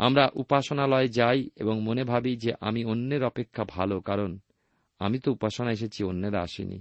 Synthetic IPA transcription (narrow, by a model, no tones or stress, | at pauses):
a̰mɾaʔupaʃonalɔed͡ʑajḛboŋmonebʱabid͡ʑeʔamionːeɾɔpekʰːabʱalokaɾon | a̰mit̪oupaʃonaeʃ̬et͡ɕʰionːeɾaa̰ʃḭnḭ